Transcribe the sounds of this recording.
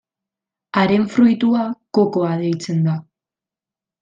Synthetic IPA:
aɾe̞ɱfɾujt̪uako̞ko̞aðe̞jt͡se̞nd̪a

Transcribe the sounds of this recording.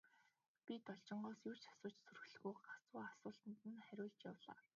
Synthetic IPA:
pʲit̪ɔɮt͡ɕɪ̆ɴɢɔːsjuːrt͡ɕḁsʊːt͡ɕsur̆xɮ̆ɣuːɢat͡sʊːasʊːɮt̪ə̆nt̪ɘ̆nχæɾʲʊːɮt͡ɕjawɮa̰ː

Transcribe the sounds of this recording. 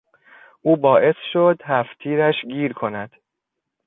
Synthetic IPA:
ʔuːbɒːʔe̞sʃod̪hæft̪ʰiːɾæʃɡiːɾkʰo̞næd̪̥

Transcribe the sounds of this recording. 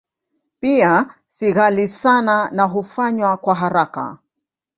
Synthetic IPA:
pia | siɣalisananaɦufaɲwakwaɦaɾaka̰

